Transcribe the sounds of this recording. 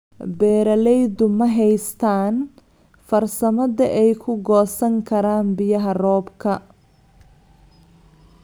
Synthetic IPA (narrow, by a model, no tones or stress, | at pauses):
bɛːɾɐlɛjdʊmɐɦɛjst̪ʰaːn | fɐrsɐmɐðɐʔɛjkʰʊɡɔːsɐŋkʰɐɾaːnbɪjɐɦɐrɔːbkʰɐ